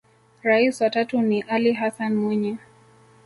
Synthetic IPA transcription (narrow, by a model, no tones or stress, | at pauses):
ɾaiswatatuniʔaliɦasanmwɛɲɛ